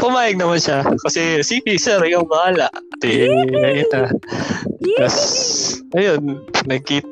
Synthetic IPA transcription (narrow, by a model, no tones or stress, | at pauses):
pʊmaːjɐɡ̚nɐmanʃakɐsɛsiːpisɛɾɪjamɐhaːlaʔt̪ɛnɐʔɪna | t̪ɐs | ɐjonnɐɡ̚kiːt̪